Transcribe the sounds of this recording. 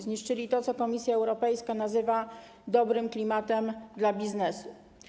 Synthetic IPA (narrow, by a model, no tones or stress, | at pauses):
zɲiʂt͡ʂɘlʲit̪ɔt̪sɔkɔmʲisʲjaɛwɾɔpɛjskanazɘva | d̪ɔbɾɘmklʲimat̪ɛmd̪labʲiznɛsu